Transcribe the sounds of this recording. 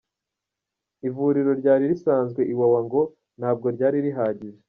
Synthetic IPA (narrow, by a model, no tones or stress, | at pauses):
ivuːɾiɾo̞ɾɟaːɾiɾisaːnzɡwe̞ʔiwawaŋɡo̞ | n̥haːb̚ɡo̞ɾɟaːɾiɾiɦaːɟiʒe